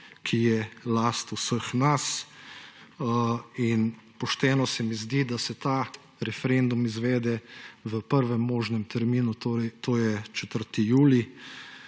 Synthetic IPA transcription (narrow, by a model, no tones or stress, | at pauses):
kʰijɛlast̪usəxnas | in | pɔʃt̪ɛːnɔsɛmizd̪id̪asɛt̪a | ɾɛfɛɾend̪umizʋɛːd̪ɛʋəpəɾʋɛmːoːʒnɛmt̪ʰɛɾmiːnut̪ot̪oːjɛt͡ʃɛt̪əɾt̪ijuːli